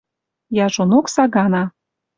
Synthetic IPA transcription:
jɑʒonoksɑɣɑnɑ

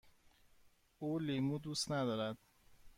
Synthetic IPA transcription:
uːlimud̪uːst̪næd̪ɒːɾæd̪̥̚

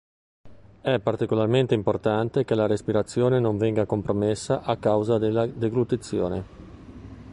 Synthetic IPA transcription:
ɛpːart̪ikolarment̪eimport̪ant̪ekelaɾespiɾat̪sːjoːnenõɱvɛŋɡakompɾomesːaʔakːawzad̪elːad̪eɡɾut̪it̪sːjo̰ːne

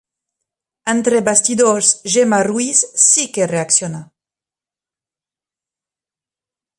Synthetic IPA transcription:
ant̪ɾebast̪id̪oɾsʒemarwisːikereaksjona

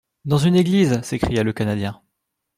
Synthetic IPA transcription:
d̪ɑ̃zyneɡlizsekχijaləkanad̪jɛ̃

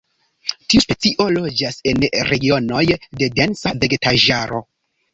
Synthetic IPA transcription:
tiuspe̞t͡siʔo̞lo̞d͡ʒase̞nɾe̞ɡio̞no̞jde̞densave̞ɡetaʒaɾo̞

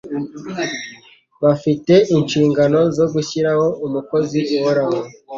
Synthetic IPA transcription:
βafite̞ʔinʃiːŋɡano̞zo̞ɡuçiɾaho̞ʔumuko̞ziuwoɾaho

